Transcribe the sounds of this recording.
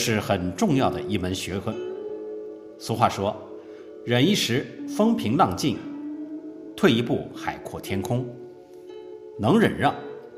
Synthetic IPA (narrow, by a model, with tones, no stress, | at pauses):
ʂɻ̩˥˩xə˨˩nʈ͡ʂʊ˥˧ŋjɑ˥˩ʊd̪ə˩i˥˩mə˧˥nɕɥɛ˧˥kɤ˥ | sɹ̩˧˥xwa˥˩ʂwɔ˥ | ɻə˨˩ni˥˩ʂɻ̩˧˥fɤ˥ŋpʰi˧˥ŋlɑ˥˧ŋt͡ɕi˥˩n | t̪ʰwe˥˩ɪi˧˥pu˥˩xa˨˩ɪkʰwɔ̰˥˩t̪ʰjɛ˥nkʰʊ˥ŋ | nɤ˧˥ŋɻə̰˨˩nɻɑ˥˩ŋ